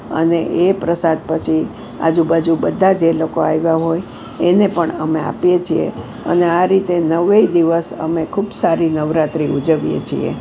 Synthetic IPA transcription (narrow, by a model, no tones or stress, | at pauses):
ə̰neʔepɾəsad̪̚pət͡ʃʰi | a̰d͡ʒubad͡ʒubəd̪ʱad͡ʒelokoajʋaɦoj | enepəɳəmea̰pjet͡ʃʰiḛ | ə̰neaɾit̪enəʋeid̪iʋəsə̰mekʰubsaɾinəʋɾat̪ɾiud͡ʒəʋjḛt͡ʃʰḭḛ